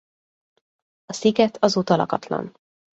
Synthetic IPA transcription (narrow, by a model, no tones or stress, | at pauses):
ɒsiɡɛt̪ʰɒzuːt̪ɒlɒ̰kɒt̪lɒ̰n